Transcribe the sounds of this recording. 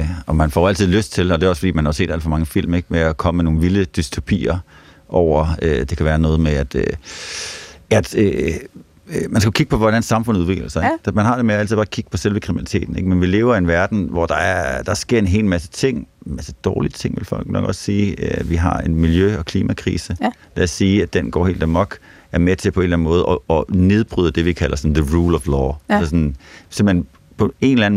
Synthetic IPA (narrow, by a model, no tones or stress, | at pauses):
ɒ̽mænfɒæl̰t͡sʰið̞̰ˠløsd̥̚t͡sʰe̝lɒde̝ɒsfɒ̽dḭːmænhɑose̝̰ːd̥æl̰fɒ̽mɑ̈ŋəfil̰meɡ̥meækʰɒ̽məmeno̝ːn̩ʋiləd̥ysd̥ʰo̝pʰḭːɐ | ʔɒʊ̰ɐød̥e̝kʰæʋæːɐnɔ̽ːð̞̩ˠmeæd̥ø | æd̥ø | mænsɡ̥ækiɡ̥əpʰɒ̽ʋɒdænsɑ̈mfɔ̽nuðˠʋe̝ɡ̥lɐsɑ̈ɪɡ̥d̥mænɦɑ̈d̥e̝meææl̰t͡sʰið̥ˠɑːkʰiɡ̥ə̥pʰɒ̽selʋəkʰʁiminælit͡sʰe̝̰ːd̥n̩eɡ̥menʋile̝ːʊɐienʋæɐd̥n̩ʋɒd̥ɑ̈æɐd̥ɑ̈sɡ̥e̝ɐ̰e̝nɦe̝̰ːlmæsə̥t͡sʰe̝ŋ̰mæsəd̥ɒːliət͡sʰe̝ŋ̰ʋe̝lfɒ̽l̰ɡ̥nɒ̽ɡ̥ɒssiːʋiɦɑ̈e̝nmiljøɒ̽kʰliːmækʰʁḭːsəlææsːiːæd̥enɡ̥ɒ̰ːhḛːld̥æmɒɡ̥ | æɐmet͡sʰe̝pʰɒe̝nlæn̩mɔ̽ːð̞̩ˠɒːne̝ð̞ˠb̥ʁyðˠd̥e̝ʋikʰælɐsɒ̽n̩ðəʁuːlɒʋlɒ̰ːæsɐsɔnsemb̥̩hen | pʰɒ̽e̝nelæn̩